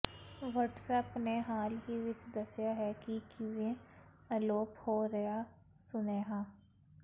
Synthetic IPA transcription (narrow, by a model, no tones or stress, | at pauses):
ʋəʈsəpneɦaːlɦiʋɪt͡ʃd̪əsjaɦɛkikiʋẽ | əloːphoɾɐja | sʊneːɦãː